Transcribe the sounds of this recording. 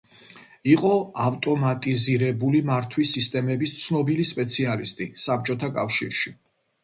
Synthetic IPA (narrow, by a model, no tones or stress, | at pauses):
iqʼɔaft̪ʼɔmat̪ʼiziɾɛbulimaɾt̪ʰwisist̪ʼɛmɛbist̪sʰnɔbilispʼɛt̪sʰialist̪ʼisap̚t͡ʃʼɔt̪ʰakʼafʃḭɾʃi